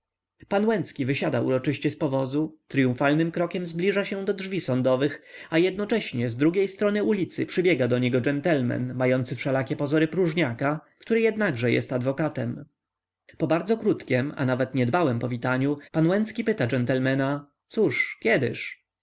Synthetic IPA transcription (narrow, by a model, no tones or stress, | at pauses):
panwɛnt̪skʲivɘɕad̪aṵɾɔt͡ʂɘɕt͡ɕɛspɔvɔzut̪ɾijũfalnɘmkɾɔkʲɛmzblʲiʐaɕɛ̃d̪ɔdʐvʲisɔnd̪ɔvɘxajɛd̪̚nɔt͡ʂɛɕɲɛzd̪ɾuɡʲjejst̪ɾɔnɘulʲit̪sɘ̰pʂɘbʲjɛɡad̪ɔɲɛɡɔd͡ʐɛnt̪ɛlmɛ̰nːajɔnt̪sɘfʂɛlakʲɛpɔzɔɾɘpɾuʐɲakakt̪uɾɘjɛd̪naɡʐɛjɛ̰st̪ad̪vɔkat̪ɛm | pɔbaɾd̪zɔkɾut̪kʲɛma̰navɛt̪ɲɛd̪bawɛmpɔvʲit̪aɲupanwɛnt̪skʲipɘt̪ad͡ʐɛnt̪ɛlmɛna | t̪suʂkʲjɛd̪ɘ̰ʂ